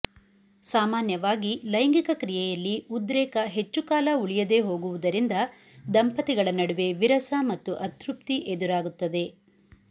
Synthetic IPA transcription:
saːmaːnjɐʋaːɡilɐjɐŋɡikɐkɾijɛjɐlːiud̪ɾɛːkɐɦe̞t͡ʃːukaːlɐuɭijɐd̪e̞ːɦo̞ːɡuʋud̪ɐɾind̪ɐ | d̪ɐmpɐt̪iɡɐɭɐnɐɽuʋe̞ʋiɾɐsɐmɐt̪ːuʔɐt̪ɾup̚t̪iʔed̪uɾaːɡut̪ːɐd̪e̞

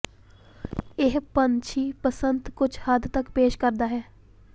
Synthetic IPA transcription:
ɪɦpənt͡ʃʰiːpəsənt̪kʊt͡ʃʰhəd̪t̪əkpeːʃkəɾd̪aːɦɛː

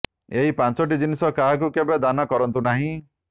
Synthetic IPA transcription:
eɦipãnt͡ʃɔʈ̬id̪inisɔkaɦak̬ukebed̪anɔkɔɾɔnt̪unaɦĩ

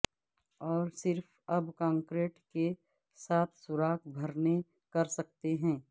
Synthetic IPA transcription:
ɔːɾsɪɾf | ɐbkãːŋkɾeːʈke | saːt̪ʰsʊɾaːk̚ʰbʱɐɾne | kɐɾsɐk̚t̪eɦɛ̃ː

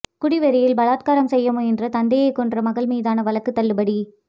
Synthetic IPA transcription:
kʊɽɪʋɐɾɪjɪlbɐlaːt̪̚kaːɾɐmsɛjːɐmoːɛndrɐt̪ɐnd̪ɐjɐɪkːɔndrɐmɐɣɐɭmiːðaːnɐʋɐɭɐkːɯt̪ːɐɭːɯbɐɽi

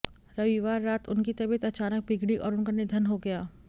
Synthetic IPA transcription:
ɾɐʋiʋaːɾːaːt̪ʊnkit̪ɐbət̪ɐt͡ʃaːnək̚bɪɡɽiʔɔ̰ːɾʊnkaned̪ʱɐnɦoɡɐjaː

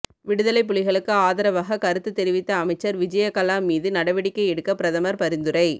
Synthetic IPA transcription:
ʋɪɽɯðɐlɐɪp̬ːʊɭɪɣɐɭɯkːɯaːðɐɾɐʋaɣɐkɐɾɯt̪ːɯt̪ːɛɾɪʋɪt̪ːɐːmɐɪt͡ʃːɐɾʋɪd͡ʒɐjɐkɐlaːmiːðɯnɐɽɐʋɪɽɪkːɐɪɛɽɯkːɐpɪɾɐðɐmɐɾpɐɾɪnd̪ɯɾɐɪ

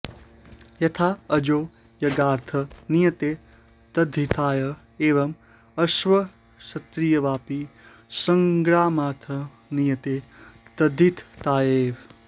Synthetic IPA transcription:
jɐt̪ʰaːɐd͡ʒoː | jɐɡaːɾt̪ʰɐnijɐt̪eː | t̪ɐd̪ʱit̪ʰaːjɐ | eːʋɐm | ɐʃʋɐ | ʃɐt̪ɾijɐʋaːpi | sɐ̃ŋɡɽaːmaːɾt̪ʰɐ | nijɐt̪eːt̪ɐd̪ʱit̪ʰt̪aːjeːʋ

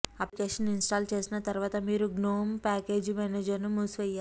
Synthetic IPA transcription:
ɐplikeːʂɐninsʈaːlt͡ʃe̞ːsinɐt̪ɐɾuʋaːt̪ɐmiːɾuɡnoːmpaːke̞ːd͡ʒmɛneːd͡ʒɐɾnumuːsʋɛjːaːɾ

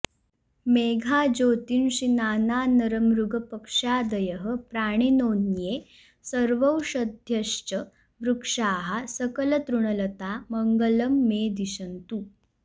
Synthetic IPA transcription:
meɡʱad͡ʑot̪inɕinaːnanəɾəmɾuɡʱəpəkʂad̪əjəɦəpɾaɽ̃inonje | səɾʋəwɕəd̪ʱjəʂt͡ɕə | ʋɾukʂaːɦasəkələt̪ɾuɳ̃ələt̪aməŋɡələmːed̪iɕənt̪u

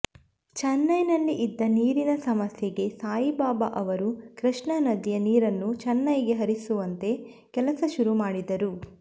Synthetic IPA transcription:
t͡ʃɐnːɐjnɐlːiʔid̪ːɐniːɾinɐsɐmɐsjɐɡe̞saːjibaːbɐʔɐʋɐɾukɾiʂɳɐnɐd̪ijɐniːɾɐnːut͡ʃɐnːɐjɡe̞ɦɐɾisuʋɐnt̪e̞ | kɛlɐsɐʃuɾumaːɽid̪ɐɾu

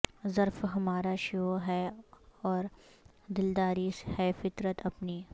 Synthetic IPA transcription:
zɐɾfɦɐmaːɾaʃoɦɛɔːɾ | d̪ɪld̪aːɾishɛfɪt̪ɾət̪ʰɐpniː

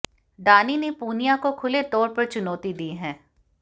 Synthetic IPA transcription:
ɖaːninepuːnijakokʰʊlet̪ɔːɾpɐɾt͡ʃʊnɔːt̪id̪iːɦɛ̃ː

